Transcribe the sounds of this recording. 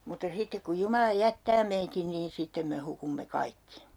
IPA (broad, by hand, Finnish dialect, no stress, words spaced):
mutːɑ sitːek kuj jumɑlɑ jætːæː meitin niːn sitːem me hukumːe kɑikːi